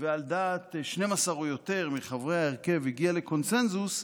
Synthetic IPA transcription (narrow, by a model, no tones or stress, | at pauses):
veald̪aːt̪ʃne̞masaʁujo̞t̪e̞ʁmiχavʁehaeʁke̞viɡiale̞ko̞nse̞nzus